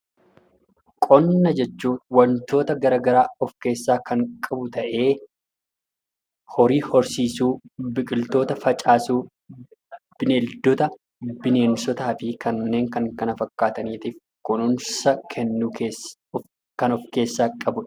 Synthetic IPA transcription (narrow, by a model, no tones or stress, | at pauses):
kʼɔnːɐd͡ʒɛt͡ʃːuːwɐnt̪o̞ːt̪ɐɡɐɾɐɡɐɾaːɔfke̞ːsːaːkɐŋkʼɐbʊt̪ɐʔe̞ː | hɔɾiːhɔɾsiːsuːbɪkʼɪlt̪o̞ːt̪ɐfɐt͡ʃʼaːsuː | b̥ɪneːld̪ɔt̪ɐ | bɪne̞ːnsɔt̪aːfɪkɐnːe̞ːŋkɐŋkɐnɐfɐkːaːt̪ɐniːt̪iːf | kʊnʊnsɐkʰɛnːuke | kɐnɔfke̞ːsːaːkʼɐbʊᶑ